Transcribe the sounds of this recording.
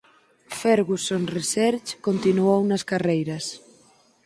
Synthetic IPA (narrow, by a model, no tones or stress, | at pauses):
fɛɾɣusonresɛɾt͡ʃkont̪inuownɐskarejɾɐs